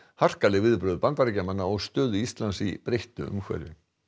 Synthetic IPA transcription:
har̥kalɛɣvɪðpɾœːðʏpant̪aɾɛcamanːaɔɣst̪œːðʏist̪lansipɾejht̪ʏ̰ʏ̰mkʰvɛ̰ɾvɪ̰

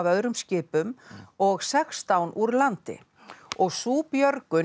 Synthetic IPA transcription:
vœðɾʏmscɪːpʏmɔɣsɛkst̪awnʔuɾlant̪ɪ̰ | ɔɣsuːpjœɾkʏ

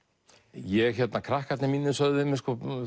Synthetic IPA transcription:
jɛɣçɛt̪nakʰɾahkat̪nɪmiːnːʏsœɣðɪmɪskɔ

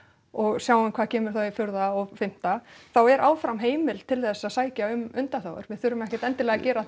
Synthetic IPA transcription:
ɔɣsjaːwʏmkʰvaːðcʰɛːmʏɾ̥θawifjʏɾðaɔɣfɪm̥t̪aθawɛɾʔaːwfɾamɦeːjmɪlt̪ʰɪlθɛsːaðsaːjcaʏmʏnt̪aθaːwʏ̰ɾ̥vɪðθʏɾːʏmɛhcɛ̥t̪ɛnt̪ɪlɛːɣacɛːɾa

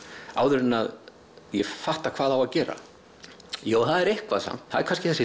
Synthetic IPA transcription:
a̰ːwðʏɾɪnað | jɛfaht̪akʰv̥aːðawaðcɛːɾa̰ | joːwθaðɛɾehkvaðsa̰m̥t̪haðɛɾkʰanscɪθɛsːɪ

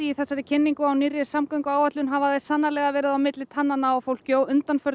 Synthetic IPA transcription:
iiθɛsːaɾɪcʰɪnːiŋkʏawnirːɪ̥samkœɥŋkʏaːwat̪lʏnɦavaðajsanːalɛɣavɛːɾɪðawmɪt̪lɪt̪ʰanːanaafowlcowʔʏnt̪anfœɾ

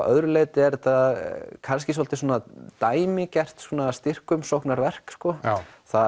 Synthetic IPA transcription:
œ̰ðɾʏleːjt̪ɪɛɾt̪akʰanscɪs̬ɔlt̪ɪsuːnat̪aːjmɪcɛr̥t̪suːnast̪ɪr̥kʏmsowknaɾvɛr̥kskɔθa

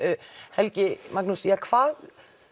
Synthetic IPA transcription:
hɛlcɪmak̚nusiakʰv̥aːð

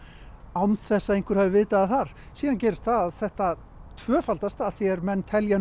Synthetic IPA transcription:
awnθɛsːaðejn̥ŋkʏɾhavɪvɪːt̪aaθaɾ̥ | siːðancɛːɾɪst̪θaðaðθɛht̪a | t̪ʰvœːfalt̪ast̪aθjɛɾmɛnːt̪ʰɛlja

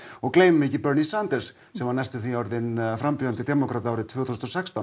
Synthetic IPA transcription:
ɔɣkleːjmʏmɛcɪpœɾnisand̪ɛɾ̥s | sɛmhanɛjst̪ʏθiɔɾðɪnfɾampʏːðant̪ɪd̪ɛːmɔkɾat̪aːwɾɪt̪ʰvœːθusɔsɛkst̪a

